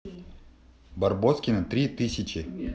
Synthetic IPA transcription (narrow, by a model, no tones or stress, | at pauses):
bɐrboskʲɪnɨt̪ɾʲit̪ɨsʲɪt͡ɕɪ